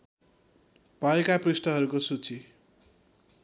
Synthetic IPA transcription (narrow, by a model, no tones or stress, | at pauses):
pʌekaprusʈʌɦʌɾukosut͡si